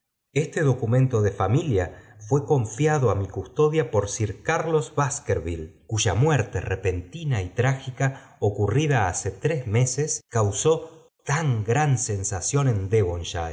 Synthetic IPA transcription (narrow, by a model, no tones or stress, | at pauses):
est̪e̞ðo̞kumẽnt̪o̞ðefamiljafwe̞ko̞ɱfjaðoamikust̪o̞ðjapo̞ɾsiɾkaɾlo̞zβaskeɾβilkuʒamweɾt̪erepe̞nt̪inait̪ɾaxikaokuriðaaset̪ɾezme̞seskawso̞ | t̪aŋɡɾanse̞nsasjo̞ne̞nd̪eβonʃa